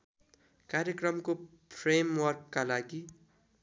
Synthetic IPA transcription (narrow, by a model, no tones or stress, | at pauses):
kaɾjekrʌmko | pʰɾemwʌrkːalaɡi